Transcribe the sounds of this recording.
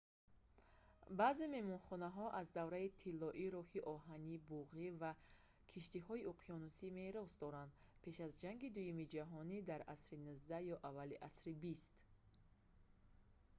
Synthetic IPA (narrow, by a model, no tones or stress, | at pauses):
baːzeme̞mɔnχɔnaɦɔʔazd̪avɾait̪ʰilːɔʔiɾɔhiʔɔɦanibuʁiva | kʰiʃt̪ihɔiuqʰiɔnusime̞ɾɔsd̪ɔɾand̪pʰe̞ʃazd͡ʒaŋɡid̪ujumid͡ʒaɦɔnid̪aɾʔasɾinuzd̪ajɔʔavaliʔasɾibist̪